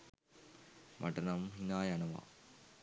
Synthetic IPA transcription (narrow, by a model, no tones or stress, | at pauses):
mʔɐ̰ʈɐnɐmɦinaːjɐnɐʋɐ̰